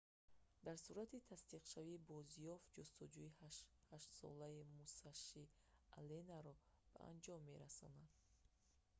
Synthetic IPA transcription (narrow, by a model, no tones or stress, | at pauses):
d̪aɾsuɾat̪ʰit̪ʰast̪iqʃaviːbɔzijɔfd͡ʒɔst̪ɔd͡ʒuihaʃt̪sɔ̰laimusaʃi | a̰lenaɾɔ | b̥a̰ʔa̰nd͡ʒɔmːe̞̰ɾasɔ̰nad̪̥